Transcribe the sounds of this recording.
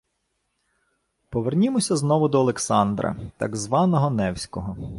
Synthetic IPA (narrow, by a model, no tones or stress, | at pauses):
pɔʋernʲimɔsʲɐznɔʋʊd̪ɔːlˠeksɑnd̪ɾɐ̰t̪ɑ̰ɡzʋɑnɔɦɔnɛwsʲkɔɦɔ